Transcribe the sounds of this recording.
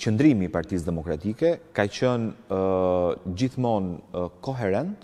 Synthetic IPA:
t͡ɕənd̪ɾimiːpaɾt̪is̬d̪ɛmɔkɾat̪ikɛkat͡ɕən | d͡ʑiθmɔnkɔɦɛɾɛnt̪

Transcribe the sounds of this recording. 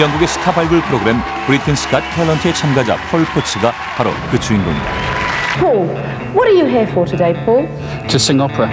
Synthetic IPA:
jʌŋɡuɡe̞sʰɯ̥tʰabaɭɡɯɭpʰɯɾoɡɯɾem | b̥ɯɾitʰensɯ̥k͈at̚tʰelʌntʰet͡ɕʰamɡad͡ʑa̰pʰʌɭpʰosʰɯɡa | haɾo̰kɯt͡ɕʰuinɡoŋḭd̪a̰pʰɔːlˠ | wʌɾəjəɦiəfətʰədeɪpʰɔːlˠ | tʰəsɪ̃ŋɒpʰɹə

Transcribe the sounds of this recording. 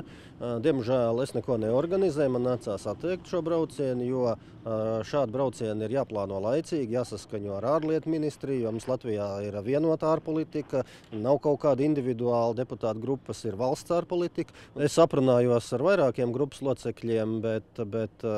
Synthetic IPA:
d̪iɛmʒæːlˠesnɛkuɔnɛɔɾɡanizɛːjmanːæt̪saːsat̪ːɛjk̚t̪ʃuɔbɾawt̪siɛnjuɔ | ʃaːd̪̚bɾaʊt̪siɛniɾjaːplˠɑːnuɔlˠajt̪siːɡjaːsaskaɲuɔaɾaːɾlˠiɛt̪minist̪ɾijuɔmumslˠat̪ʋʲijaːiɾviɛnuɔt̪aːɾpɔlˠit̪ikə | nawkawkaːd̪ind̪ʲivʲid̪uɑːlˠd̪eput̪aːt̪ɡɾupːəsiɾvalˠst̪saːɾpɔlˠit̪ikesːapɾunaːjuɔsaɾvajɾaːkiɛmɡɾupːslˠuɔt̪sɛklʲiɛmbɛt̪bɛt̪

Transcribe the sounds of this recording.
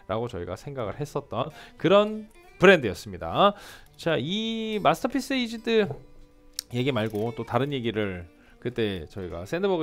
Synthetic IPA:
ɾʔaɡot͡ɕʌ̰iɡa̰sʰe̞ŋɡaɡɯɭhe̞s͈ʌt̚t͈ʌnkɯɾʌn | pɯɾe̞ndɯjʌs͈ɯmɲida | t͡ɕaimasʰɯtʰʌpʰis͈ɯid͡ʑidɯ | je̞ɡimaɭɡot͈otaɾɯnje̞ɡiɾɯɭ | kɯt͈e̞t͡ɕʌiɡa̰sʰe̞ndɯbʌɡ

